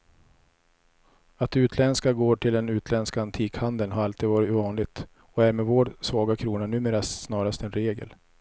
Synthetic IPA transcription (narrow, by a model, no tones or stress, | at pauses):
at̪ʉ̟ːt̪ʰlɛnskaɡoːʈʰɪld̪ɛnʉ̟ːt̪ʰlɛnskaant̪ʰiːkhand̪əlnhaɾalt̪iːd̪vɑːɾɪt̪vɑːnlɪɡt̪ | ɔæɾmɛvoːɖsvɑːɡakʰɾuːnanʉ̟ːmeːɾasnɑːɾast̪ɛnɾeːɡə̰l